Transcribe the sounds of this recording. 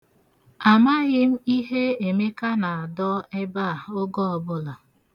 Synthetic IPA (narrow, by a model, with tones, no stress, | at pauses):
a˨ma˦ɣɪ˦m̩˦i˦ɦe˦e˨me˦ka˦na˨a˨dɔ˦e˦ba˦˨ʊ˦ɡɔ˦ɔ˨bʊ˦la˨